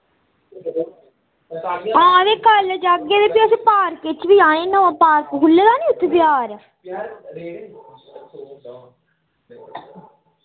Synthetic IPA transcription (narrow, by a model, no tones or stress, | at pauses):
aːɾeːkəld͡ʒaɡed̪epiəsĩːpaːɾkɪt͡ʃʋiːãːnẽnə̃ãːpaːɾkkʊlːeːd̪aːnĩːʊt̪ʰːebɪaːɾã